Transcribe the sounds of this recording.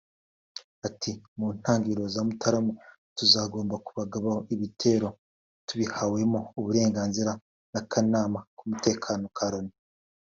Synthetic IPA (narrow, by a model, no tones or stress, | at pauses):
atʰimuːn̥haːŋɡiɾo̞zamutʰaɾamu | tuzaːɡo̞ːmbakuβaɡaβaoiβitʰe̞ːɾo̞ | tuβihawe̞mo̞uβuɾe̞ːŋɡaːnziɾa | nakʰanaːmakumute̞ːkʰaːno̞kʰaɾo̞ni